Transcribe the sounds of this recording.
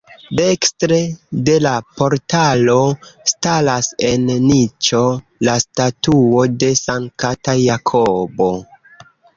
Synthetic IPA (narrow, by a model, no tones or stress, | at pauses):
dekstɾede̞lapo̞ɾtalo̞stalase̞nnit͡ʃo̞ | lastatuo̞de̞saŋkatajakʰobo̞